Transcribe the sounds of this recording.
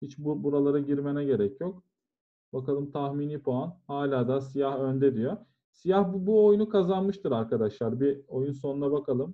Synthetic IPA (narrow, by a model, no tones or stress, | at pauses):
hit͡ʃbubuɾalˠaɾaɟiɾme̞nɛɟe̞ɾɛcʰjo̞k̚ | bakalˠɯmt̪ʰaxmiːnipʰoanhaːlʲaːd̪asijahø̞nd̪ɛd̪ijo̞ | sijahbbuo̞junukʰazanmɯʃt̪ʰɯɾaɾkʰad̪aʃlˠaɾbio̞junso̞nunabakʰalˠɯm